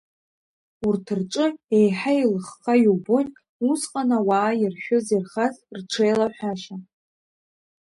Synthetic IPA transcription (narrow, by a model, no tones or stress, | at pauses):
urtʰɨrʈ͡ʂʼɨejħailɨχχʰajubon | usqʼanawaːjirʃᶣʊzerχazrʈ͡ʂʰejlaħʷᶣaʃa